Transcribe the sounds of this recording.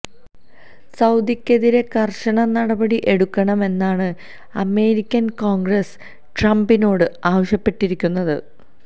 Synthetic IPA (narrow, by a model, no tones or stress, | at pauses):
sɐwd̪ikʲːe̞ðiɾe̞kɐrɕɐɳɐnɐɽɐbɐɽiʔe̞ɽukːɐɳɐme̞nːaːɳɨ | ɐme̞ːɾikʲːɐnkoːŋɡrɐs | ʈrɐmbino̞ːɽɨaːʋɐɕjɐpːe̞ʈːiɾikʲːunːɐðɨ